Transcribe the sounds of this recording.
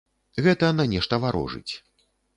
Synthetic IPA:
ɣɛt̪ɐnanʲɛʂt̪ɐvaɾɔ̰ʐɨ̰t͡sʲ

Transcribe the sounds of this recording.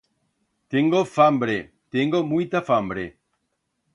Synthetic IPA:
t̪eŋɡofambɾe | t̪eŋɡomujt̪afambɾḛ

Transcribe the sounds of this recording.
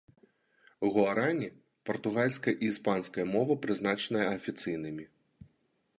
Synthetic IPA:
ɣuaɾanʲi | pɐrt̪uɣalʲskɐɐʔispanskɐjɐmɔvɐpɾɨznat͡ʂɐnɐjɐɐfʲit̪sɨjnɨmʲi

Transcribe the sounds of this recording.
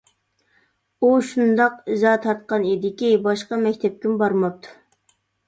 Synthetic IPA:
uʃund̪ɑqizɑt̪ʰɑɾt̪̚qɑnid̪ɪkʲibɑʃqɑmɛkʲt̪ʰɛp̚kʲimbɑɾmɑp̚t̪ʰu̥

